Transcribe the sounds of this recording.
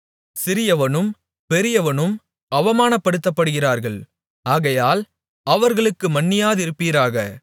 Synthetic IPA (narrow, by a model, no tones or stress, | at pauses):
sɪɾɪjɐʋɐnɯm | pɛɾɪjɐʋɐnɯm | ɐʋɐmaːnɐpːɐɽɯt̪ːɐpːɐɽɯɣɪraːɾɣɐɭ | aːɣɐjaːl | ɐʋɐɾɣɐɭɯkːɯmɐnːɪjaːðɪɾɯpːiːɾaːɣɐ